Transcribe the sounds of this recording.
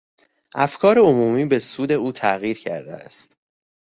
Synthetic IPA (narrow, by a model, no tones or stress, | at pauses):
ʔæfkʰɒːɾeomuːmiːbesuːd̪e̞uːt̪ʰæɣiːɾcʰæ̰ɾd̪ḛæ̰st̪